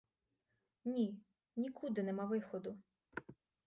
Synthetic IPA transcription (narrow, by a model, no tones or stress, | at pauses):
nʲi | nʲikʰud̪ɪnɛmaʋɪxɔd̪ʊ